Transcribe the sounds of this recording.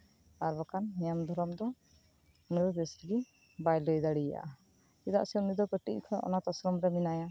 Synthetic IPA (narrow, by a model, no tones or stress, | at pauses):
aɾbɔkanːɛjamd̪ʱɔɾɔmd̪ɔ | uniɾɔd̪esɡi | bajləjd̪aɽija̰ʔa | id̪a̰ʔsɛunid̪ɔkəʈḭʔkʰɔjʔɔ̰nat̪ɔsɾɔmɾɛminaja